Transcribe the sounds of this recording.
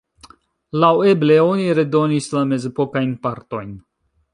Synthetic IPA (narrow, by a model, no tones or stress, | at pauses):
lawe̞ble̞o̞niɾe̞do̞nislame̞ze̞po̞kajnpaɾto̞jn